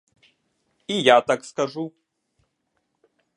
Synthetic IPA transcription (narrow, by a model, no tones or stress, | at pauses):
ijat̪akskaʐu